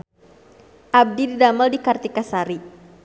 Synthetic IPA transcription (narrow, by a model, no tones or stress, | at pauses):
ʔab̚dididaməldikart̪ikasaɾi